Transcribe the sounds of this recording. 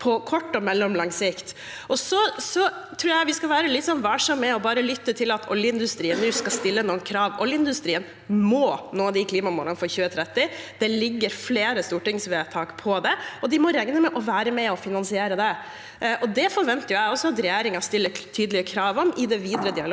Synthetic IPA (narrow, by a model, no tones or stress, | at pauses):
pʰɔkʰɔʈːɔmɛlːɔmlɑŋsɪkt̪ | ʔɔsɔsɔ | t̪ʰɾuːɾjæɪʋɪskɑʋæːɾəlɪt̪ːsɔnʋæːʂɔmːɛɔbɑːɾəlʏt̪ːət̪ʰɪlɑt̪ʰɔ̰ljəɪnd̪ʉst̪ɾiːənːʉːskɑst̪ɪlːənuːənkʰɾɑːʋʔɔljəɪnd̪ʉst̪ɾiːən | mɔːnoːd̪ɪkʰliːmɑmṵːləɑnfɔɾçʉːət̪ʰɾɛt̪ːɪ | d̪̥ɛlɪɡːəɾfleːɾəst̪uːʈɪŋsʋeːt̪ʰɑːkpʰɔd̪ɛɔd̪ɪmɔɾɛŋnəmɛʔɔʋæːɾəmɛɔfɪnɑnsɪeːɾəd̪ɛ | ʔɔd̪ɛfɔɾʋɛnt̪əjʊæɪɔsːɔɑt̪ɾɛjeːɾɪŋɑst̪ɪlːət̪ʰyːd̪əlɪəkʰɾɑːʋɔmɪd̪ɛʋiːd̪ɾəd̪ɪɑl